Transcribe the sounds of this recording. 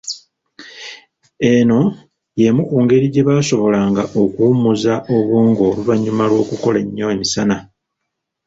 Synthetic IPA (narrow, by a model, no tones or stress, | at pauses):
e̞no̞ | je̞mukuːŋɡe̞ɾiɟe̞βaːso̞βo̞laŋɡaʔo̞kuːmuzaʔo̞βuːŋɡo̞ːluβaɲːumalwo̞ːkuko̞leɲːo̞emisana